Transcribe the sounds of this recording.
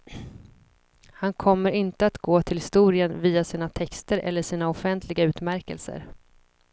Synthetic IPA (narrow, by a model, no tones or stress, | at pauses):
hankʰɔmːəɾɪnt̪əat̪ɡoːt̪ʰɪlhɪst̪uːɾɪənviːasiːnat̪ʰɛkst̪əɾʔɛ̰lːəʂiːnaɔfɛnt̪ʰlɪɡaʉ̟ːt̪mæɾkə̰lsə̰ɾ